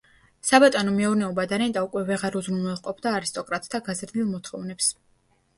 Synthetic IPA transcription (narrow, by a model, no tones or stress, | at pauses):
sabat̪ʼanɔmɛɔɾnɛɔbad̪aɾɛnt̪ʼaukʼwɛvɛʁaɾuzɾunɛlˠqʼɔpʰd̪aːɾist̪ʼɔkʼɾat̪ʼd̪aɡazɾd̪ilˠmɔt̪ʰχɔ̰vnɛps